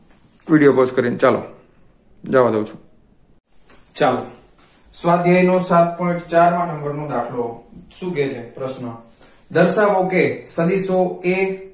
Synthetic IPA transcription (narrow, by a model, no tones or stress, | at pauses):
ʋiɽijoposkəɾint͡ʃalo̰ | d͡ʒaʋad̪əwt͡ʃʰũ̥ | t͡ʃalo | sʋad̪ʱjəjnosat̪̚pɔ̃ĩʈt͡ʃaɾmãʈə̃ŋɡəɾnõd̪akʰloʃũket͡ʃʰepɾəʃnə | d̪əɾʃaʋokesəd̪isoe